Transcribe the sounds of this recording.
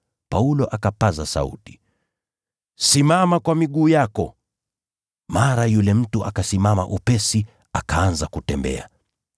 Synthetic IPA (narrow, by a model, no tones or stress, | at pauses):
paulɔʔakapazasa̰ṵti̥ | simamakwamiɠuːjakɔ̰ | maɾajulɛm̩tuʔakasimama̰ʔupɛsi | akaanzakutɛmbɛ̰a̰